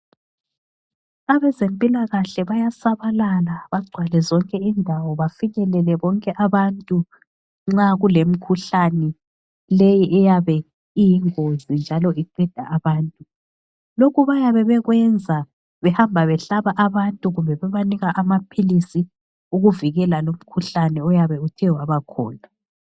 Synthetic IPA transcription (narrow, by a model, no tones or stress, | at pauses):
aβɛzempʼilaɣaɬɛβajasaβalalaβaɡ͡ǀʱwalɛzɔŋkʼɛindʱawɔβafiɲɛlɛlɛβɔŋkʼɛʔaβantʼu | ŋ͡ǁaɣulem̩kʰuɬanɛ | lejiʔɛjaβɛ | ijiŋozind͡ʒʱalɔiǃɛd̥ʱa̰ːβaːntʼu | lokuβajaβɛβɛɣwɛnd͡zʱa | βɛhambʱaβɛɬaβaʔaβantʼuɣumbʱɛβɛβaniɣaʔamapʰilisi | uɣuviɣɛlalom̩kʰuɬanɛɔjaβɛutʰiwaβakʰɔ̰ːna